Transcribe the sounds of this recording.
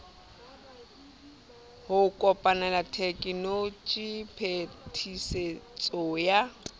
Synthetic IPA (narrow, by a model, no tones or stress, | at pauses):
hʊkʼɔpʼanalatʰekʼɪnot͡ʃʼipʰetʰiset͡sʼɔja